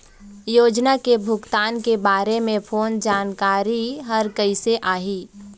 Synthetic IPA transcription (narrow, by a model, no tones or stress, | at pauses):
joːd͡ʒnakebʱʊɡt̪aːnkebaːɾemẽpʰoːnd͡ʒaːnkaːɾiɦəɾkəɪseʔaːɦiː